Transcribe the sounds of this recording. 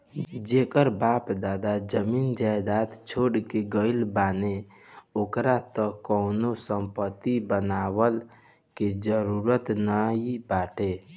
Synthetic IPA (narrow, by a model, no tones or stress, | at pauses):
d͡ʒekəɾbapd̪ad̪ad͡ʒəmind͡ʒajd̪at̪t͡ʃʰoɽkeɡəɪlbane | okɾat̪əkəʊnosəmpət̪ibənawəl | ked͡ʒəɾuɾət̪nəibaʈe